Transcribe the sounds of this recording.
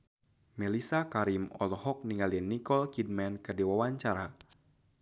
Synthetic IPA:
mɛlisakaɾimɔ̰lɔhɔk̚niŋalianːikɔlkid̚mɛnkədiwawaɲt͡ʃaɾa

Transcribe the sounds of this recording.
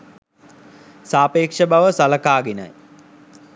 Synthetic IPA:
saːpeːkʂəbaʋəsaləkaːɡena̰j

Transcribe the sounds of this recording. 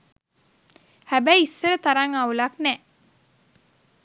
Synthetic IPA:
hæbæjisːəɾət̪aɾaŋaulaknɛ

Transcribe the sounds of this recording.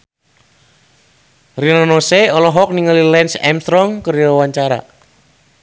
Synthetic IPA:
rinanoseɔlɔɦɔk̚niŋalilɛnsɛ̰mst̪ɾɔŋkəɾjɔwaɲt͡ʃaɾa̰

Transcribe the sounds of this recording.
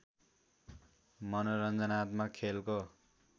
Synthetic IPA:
mʌnoɾʌnd͡zʌnat̪makʰelko

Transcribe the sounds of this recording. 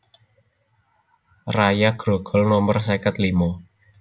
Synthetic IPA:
rajaɡ̥ɾoɡ̥ɔ̤lnɔmərsekət̪limɔ

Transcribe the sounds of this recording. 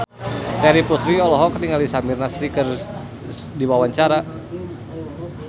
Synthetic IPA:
t̪ɛɾiput̪ɾiɔlɔɦɔkərniŋalisamirnasɾikər | diwawaɲt͡ʃaɾa

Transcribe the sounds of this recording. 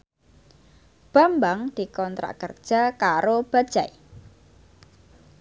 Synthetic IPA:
b̥a̤mbaŋd̪̥i̤kɔnt̪ɾa̰ʔkərd̥ʒ̥a̤kaɾob̥a̤d̥d͡ʒ̥aj

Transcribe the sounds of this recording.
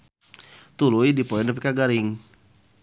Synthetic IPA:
t̪ulujdipoindəpikaɡaɾɪŋ

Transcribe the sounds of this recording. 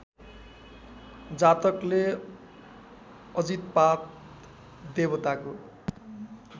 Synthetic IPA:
d͡zat̪ʌkle | ʌd͡zit̪̚pat̪ | d̪ebʌt̪ako

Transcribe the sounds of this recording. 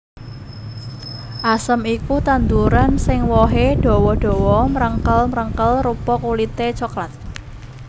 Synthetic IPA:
ʔasəmikut̪and̪uɾansɪŋwɔɦeɖ̥o̤wɔɖ̥o̤wɔmɾəŋkəlməɾəŋkəlrupɔk̚ulit̪et͡ʃɔklat̪̚

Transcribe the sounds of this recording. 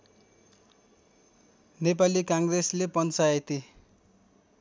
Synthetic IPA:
nepalikãŋɡreslepʌnt͡saet̪i

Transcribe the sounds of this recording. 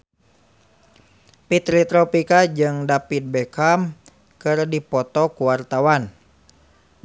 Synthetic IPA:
pit̪ɾit̪ɾɔpikad͡ʒɨŋdapit̪̚bɛkam | kɨrdipɔt̪ɔkuwart̪awan

